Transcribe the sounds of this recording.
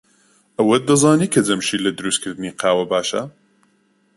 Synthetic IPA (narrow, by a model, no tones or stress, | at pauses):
ɐwɐd̪ɐzɑːniːkʰɐd͡zɐmʃiːlɐd̪ɨɾuːst̪̚kʰɨɾd̪ɨniːqʰaːwɐbaːʃɐ̰